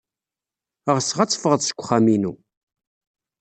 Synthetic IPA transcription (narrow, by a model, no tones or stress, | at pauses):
əʁəsəʁat͡sːə̥fəʁəðˤsə̥kʷːχːaminu